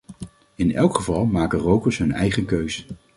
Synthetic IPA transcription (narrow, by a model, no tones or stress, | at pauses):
ɪnɛ̰lˠkχəvɑlˠmaːkərowkəɹsɦɵnɛ̰jχənkøɥzə